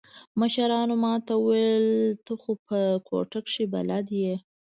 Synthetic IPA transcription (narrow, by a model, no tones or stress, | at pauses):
məʃaɾɑnomɑt̪auwelt̪əxopəkʰo̰ʈəkʂiba̰lad̪je